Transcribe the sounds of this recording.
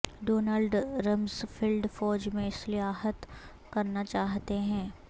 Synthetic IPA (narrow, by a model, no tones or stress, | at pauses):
ɖoːnəlɖɾɐmzfʰɪlɖfɔːd͡ʒmẽɪslɪjaːɦət̪ | kɐɾnat͡ʃaːɦt̪eɦɛ̃ː